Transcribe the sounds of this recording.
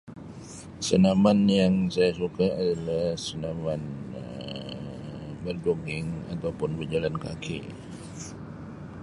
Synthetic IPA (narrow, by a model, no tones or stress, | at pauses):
sənamanjaŋsajasukaadalahsənamanə | bərd͡ʒoɡɪŋa̰t̪awpʊnbərd͡ʒalankakʰḭ